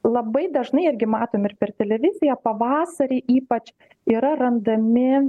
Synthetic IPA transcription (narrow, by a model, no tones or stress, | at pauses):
lˠɐbɐɪd̪ɐʒnɐɪɪrʲɡʲɪmɑːt̪oːmɪrpʲɛrt̪ʲɛlʲɛʋʲɪzʲɪjɛpɐʋɑːsɐɾʲeɪʔiːpɐt͡ʃ | iːɾɐrɐnd̪ɐmʲɪ